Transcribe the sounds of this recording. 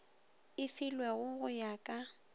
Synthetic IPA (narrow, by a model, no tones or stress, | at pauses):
ɪfɪlwɛɣʊɣʊjakʼa